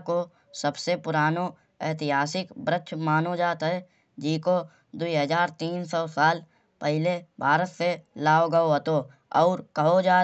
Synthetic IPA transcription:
ko | səbsepʊɾaːno | ɛːt̪ɪɦaːsɪkbɾəkʃʰmaːnod͡ʒaːt̪ɦɛ | d͡ʒiːko | d̪uiɦəzaːɾt̪iːnsɔːsaːl | pɛɦɪlebʱaːɾət̪selaːoɡəoɦɐt̪o | ɔːɾkɐɦod͡ʒaː

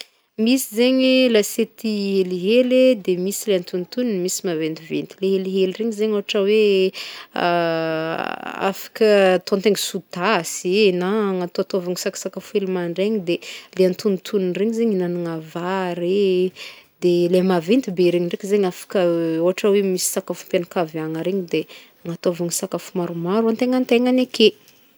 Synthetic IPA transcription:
misizeɲilaset̪iɦeliɦeled̪emisileant̪unt̪uninmisimavent̪ivent̪ileɦeliɦelreɲizeɲoɦaʈ͡ʂəwe | a̰fḁkət̪õnt̪eŋisut̪asenaŋat̪oat̪avaŋisakḁsakafuelimaɳɖ͡ʐeɲid̪eleant̪unit̪ʰununreɲizeɲinaniŋavaɾe | d̪elemavint̪ibeɾeɲiɳɖ͡ʐekizeɲafḁkəoɦaʈ͡ʂəwemisi̥sakafumpanakavaŋaɾeɲid̪e | ŋat̪oavuŋsakafumaɾumaɾuant̪eŋant̪eŋaneke

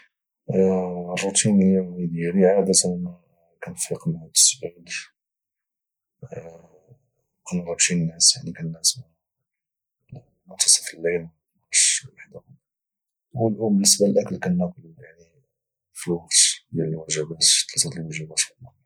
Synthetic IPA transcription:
rˤːut̪ʰinhəjːæmid̪jæliʕad̪æt̪ənæ | kænfiqmhd̪ə̥sbʕid̪ | ʔænrˤːut̪innːæsjaʕnikænːæsmæ | mʊnt̪ɑ̥sˤəfilːel | ʃwaħd̪a | wəlʔumbənːəsbalʔækəlkænːæqʊljaʕni | filwɑqt̪bjæləwæʒəbæt̪t̪ːlæt̪æt̪əlwæʒəbæt̪əlɑ

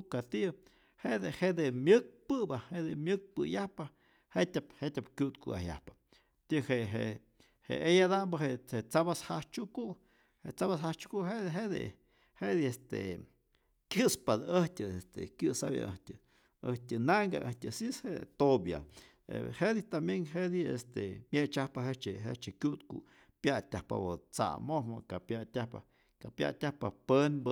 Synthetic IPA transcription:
kat̪i | heʔd̪ehed̪emjɨk̚pɨbaheʔd̪emjɨk̚pɨjahpa | hetʲaphetʲapkjuʔt̪kṵʔa̰ja̰hpḁ | t̪iheɦe | hḛejad̪ambaɦeʔet͡sabashat͡ʃukuʔ | heʔt͡saβasɦat͡ʃu̥kuʔɦeɦed̪ḛ | hed̪iest̪ḛ | kʲjɨspad̪əhtʲɨest̪ḛkjɨsa̰bja̰ʔəhtʲɨ | əhtʲɨnaŋɡa̰ʔəhtʲɨsishet̪obja̰ | ḛhed̪it̪amjenɦed̪iḛst̪emʲet͡ʃahpaɦet͡ʃeɦḛt͡ʃekʲjut̪kṵ | pjatʲahpa̰bot͡sa̰mohmokapjatʲahpa | kapja̰tʲahpapənb

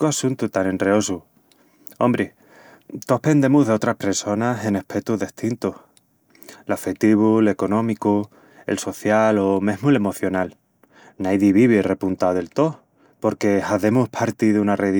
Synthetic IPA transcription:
asunt̪ut̪anẽ̞nreo̞su | o̰mbɾe | t̪o̞hpe̞nd̪e̞muɦðe̞o̞t̪ɾahpe̞ɾso̞nase̞nehpʰet̪uɦðeht̪int̪uh | lafet̪iβule̞ko̞nõ̞miku | e̞̰lso̞θjalo̞mẽ̞ɦmule̞mo̞θjo̞nal | najðiβiβire̞punt̪aðe̞lt̪o̞h | po̞ɾke̞haðe̞muhpʰaɾt̪iðeunareð

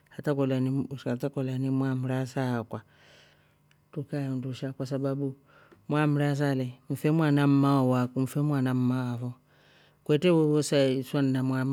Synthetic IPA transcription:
hatakɔlaniatakɔlanimwamuɾasakwa | tukajunduʃakwas̬ababu | mwamuɾas̬alɛm̩fɛmwanam̩maɔwakum̩fɛmwanam̩mawavɔ | kwɛtɛwowɔsaiswannamwam

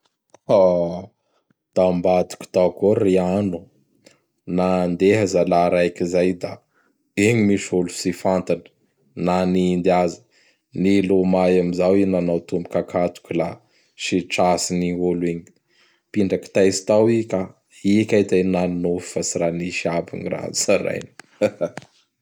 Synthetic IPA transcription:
a | d̪̥ambat̪u̥kʲi̥t̪akoɾianu | nand̪eɦəzalaɾajkizajd̪a | eɲimiʃulusifant̪anə̥ | naniːnd̪iazə̥ | nilomajamizawinanawt̪umbikakat̪u̥kula | ʃiʈ͡ʂasiniuliɲi̥ | piɳɖ͡ʐaki̥t̪ajsi̥t̪awika | ikajt̪ananno̥fasiɾaniʃiabḭɲira̰zsaɾa̰jni̥

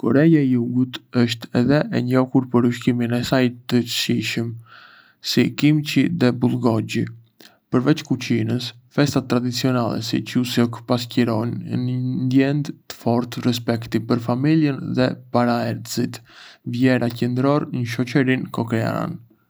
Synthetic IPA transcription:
kɔɾɛjajuɡut̪əʃt̪ɛðɛʔɛɲɔkuɾpəɾuʃkiminɛsajt̪ət͡ʃə̥ʃiʃəm | sikimt͡ʃiðɛbulˠɡɔɟi | pəɾvɛt͡ʃkut͡ʃinəs | fɛst̪at̪ːɾad̪it͡siɔnalˠɛ̰sḭt͡ʃusɔkpas̬cəɾɔnnnd̪jɛnd̪t̪ə̥fɔɾt̪rɛs̬pɛkt̪ipəɾfamiljənðɛpaɾaɛɾd̪zit̪vjɛɾacɛnd̪ɾɔɾnəʃ̬ɔt͡ʃəɾinkɔkɾɛa̰ɾa̰n

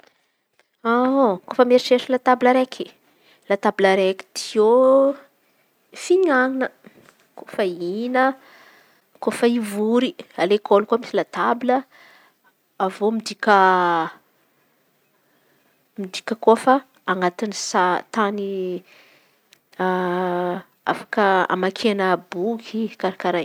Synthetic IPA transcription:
akofəmeɾiʃeʃilat̪abiləɾekʰi | lat̪abiləɾeki̥t̪io | fiɲaŋinə | kofəinə | kofəivuɾialekʰolkuamisilat̪abilə | avomid̪ikʲə | mid̪ikʲəkofa | aŋɡat̪inisat̪ani | a̰fḁkəa̰makʰeanəbukikaɾakaɾaj

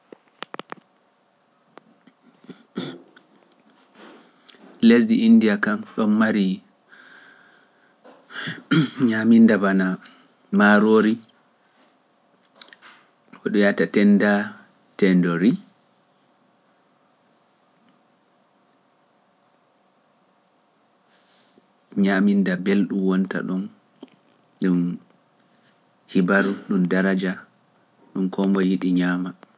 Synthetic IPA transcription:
lesdiːndiakamɗɔnːaɾi | ɲamindabana | maɾoːɾi | ʔɔɗɔjatatɛnda | tɛndoɾi | ɲamindabelɗumwɔnta̰ɗɔn | ɗum | hibaɾuɗumdaɾad͡ʒa | ɗumkʰɔmbɔjiɗiɲaːma

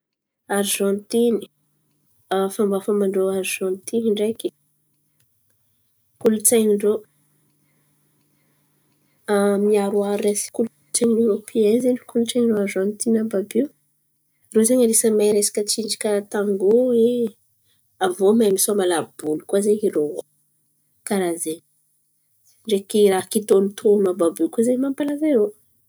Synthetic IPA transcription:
aɾʒɔ̃nt̪ini̥ | fambafəmaɳɖ͡ʐoaɾʒɔ̃nt̪iniɳɖ͡ʐejki̥ | kulut͡saɲiɳɖ͡ʐo | amiaɾuaɾesi̥kulu | t͡saɲinoɾopʰiɛnzeɳɖ͡ʐkuluʈ͡ʂaɲiɖ͡ʐoaɾʒɔ̃nt̪inababiw | rozeɲəɾesəmajɾesḁkʲət͡ʃiɳd͡ʒi̥kaat̪aŋɡoe | avomajmisomalab̥ulukwazeiɾo | kaɾaze | ɳɖ͡ʐekiɾakit̪onit̪ʰonababikozemampalazajɾo

